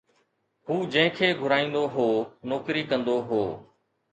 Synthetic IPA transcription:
ɦuːd͡ʒə̃ɦɪ̃kʰeːɡʱʊɾaːĩːnd̪oɦoːnɔːkɾiːkə̃nd̪oːɦoː

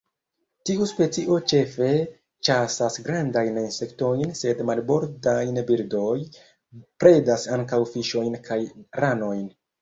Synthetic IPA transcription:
tiuspe̞t͡siʔo̞t͡ʃe̞fe̞ | t͡ʃasasɡɾandajninse̞kto̞jnse̞dmalbo̞ɾdajnbiɾdo̞j | pɾe̞dasaŋkawfiʃo̞jnkʰajɾano̞jn

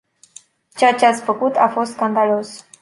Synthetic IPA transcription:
t͡ʃeat͡ʃeat̪sʲfəkut̪ʰafo̞st̪skand̪alo̞s

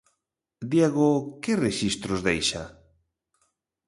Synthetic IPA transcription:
d̪jeɣoʊkɪreʃist̪ɾozðejʃa̰

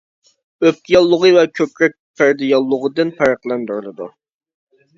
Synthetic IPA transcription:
øp̚kʲijɑlˠːʊʁəvɛkʲʰøpɾɛk̚ʲfæɾd̪ɪjɑlˠːʊʁəd̪ɨnpʰæɾəqlˠænd̪yɾlˠɨd̪ṵ

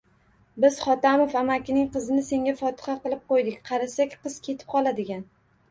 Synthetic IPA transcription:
bɪz̥χɒt̪amofamakʲɪnɪŋqɨzɪnɪse̞ŋʲafɒt̪ɪ̥χɑqɨlˠɪp̚qojd̪ɪkʲqʰɑɾasakʲqɨz̥kʲʰe̞t̪ʰɪ̥p̚qʰɒlˠad̪ɪɡʲan

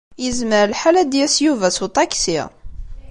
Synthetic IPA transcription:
jəzməɾlħalæd̪jæsjuvæsut̪ˤɑksḭʁ

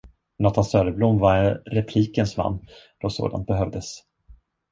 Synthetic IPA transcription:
nɔt̪ʰansœːɾəblumːvaɾɛnɾɛpʰliːkənsva̰nː | d̪̥ɔso̰ːd̪a̰nt̪̚bɛɦœvd̪əs

